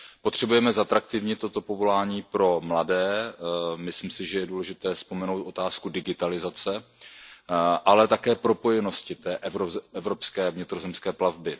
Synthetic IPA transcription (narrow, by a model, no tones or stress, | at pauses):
pot̪r̥ɛbujɛmɛzat̪ɾak̚t̪ɪvɲɪt̪o̞t̪o̞po̞vo̞laːɲiːpɾo̞mladɛː | mɪslimsɪʒɛjɛduːlɛʒɪt̪ɛːspo̞mɛnowt̪ʔo̞t̪aːskudɪɡɪt̪alɪzat͡sɛ | ʔalɛt̪akɛːpɾo̞po̞jɛno̞scɪt̪ɛːʔɛvɾoɛvɾo̞pskɛːvɲɪt̪ɾo̞zɛmskɛːplavbɪ